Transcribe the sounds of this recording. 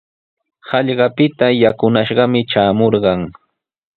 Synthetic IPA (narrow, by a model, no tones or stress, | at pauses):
hɑʎɢɑpɪt̪ajakʊnaʃɢɑmɪt͡ʃaːmoɾɢɑŋ